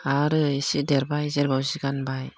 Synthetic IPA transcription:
aɾɯisidɛɾbajzɛɾbawziɡanbaj

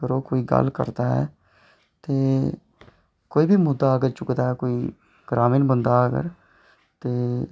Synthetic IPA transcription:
kəɾoːkoːiːɡə̰lkə̰ɾd̪aːɦɛ̰ː | t̪eː | koːiːbʱiːmʊd̪aːəɡəɾt͡ʃʊkd̪aːɦɛːkoːiː | ɡ̥ɾaːmiːnbənd̪aːəɡə̰ɾ | t̪eː

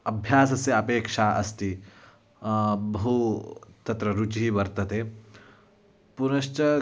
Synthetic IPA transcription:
ɐbʱjaːsɐsjɐɐpeːkʂaːʔɐst̪i | bɐɦut̪ɐt̪ɾɐɾut͡ʃiɦiʋɐɾt̪ɐt̪eː | punɐʃt͡ʃɐ

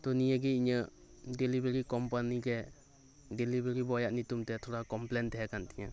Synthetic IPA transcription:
t̪ɔnijəɡɛiɲə | delibeɾikɔmpaniɡɛ | dɛlibeɾibɔjaʔnit̪umt̪ɛt̪ʰɔɾakɔmplɛnt̪ɛɦɛkant̪iɲa

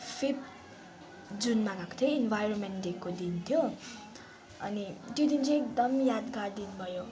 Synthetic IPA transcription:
pʰip | d͡zunmanakt̪ʰjʌenbʱajronmenɖekːod̪int̪ʰjo | ʌ̰nit̪jod̪int͡sʌ̃ekd̪ʌmjad̪ɡard̪inbʱʌjo

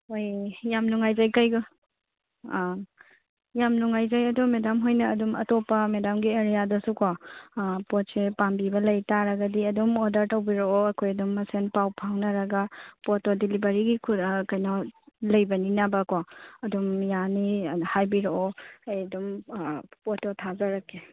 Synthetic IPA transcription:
hojjamnuŋajzajkɐjɡu | jamnuŋajzajɐdɔmedamɦojnɐːdumɐ̰topːɐmedamɡieɾijadɐsuko | pɔt̚sepambibɐlɐjtaɾɐɡɐdiɐdumodɐɾtɐwbiɾoɔɐkʰojɐdumːɐsenpawpʰawnɐɾɐɡɐpotodilibɐɾiɡikʰukɐjnɔlɐjbɐninabɐkoɐdumjanihajbiɾoɔajɐdum | pototʰazɐɾɐkːe

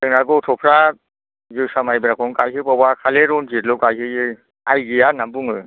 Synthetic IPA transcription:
ɯŋnaɡɔtʰɔpʰɾa | zɯwsamajbɯɾakʰɔŋkajɦɯpabakʰaleɾɔnd͡ʒitlɔkajɦɯɯ | ajɡɯjanambuŋɯj

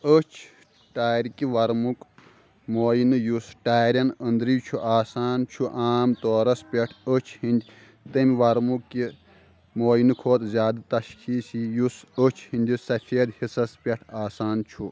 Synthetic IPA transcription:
ət͡ʃʰ | ʈaːɾkiʋɐɾmuk | moːjinɨjusʈaːɾʲɐnənd̪ɾit͡ʃʰuʔaːsaːnt͡ʃʰuʔaːmt̪oːɾɐspʲeʈʰət͡ʃʰhind̪ʲ | t̪ɐmʲʋɐɾmukːi | moːjinɨkʰoːt̪zʲjaːd̪ɨt̪ɐʃkʰiːsijusət͡ʃʰhinʲd̪ʲisɐfʰeːd̪hisɐspʲeʈʰaːsaːnt͡ʃʰu

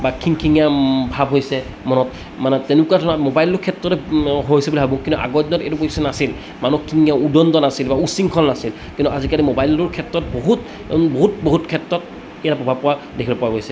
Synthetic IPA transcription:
bakʰːiŋkʰiŋjabʱabɦojsɛ | mɔnɔt | manɛtɛnʊkuatʰɔnamɔbajlɔɹkʰɛtɹɔtɛɦojsɛbulibabɔ̃kĩntuʔa̰ɡɔdinɔtḛtupoisɛnasil | manukʰːiŋjaudɔndɔnasilbausiŋkʰɔnnasil | kintuazikalimɔbajlɔɹkʰɛtɹɔt̚boɦut | nboɦutboɦutkʰɛtɹɔt̚ | ijatapɔbʱapɔwa | dekʰilɔpɔwaɡojsɛ

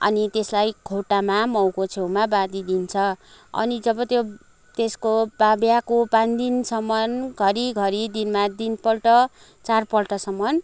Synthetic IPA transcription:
ʌ̰nit̪eslajkʰoʈamamʌwkot͡sʰewmabad̪id̪int͡sʰʌʌ̰nid͡zʌbʌt̪jo | t̪eskobabjakopãnd̪insʌmːʌnɡʱʌɾiɡʱʌɾid̪inmad̪inpʌlʈʌ | t͡sarpʌlʈʌsʌmːʌn

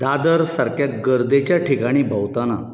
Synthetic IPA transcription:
d̪ad̪əɾsaɾkjaɡəɾd̪et͡ɕjaʈʰikaɽ̃iːbʱəwt̪ana̰

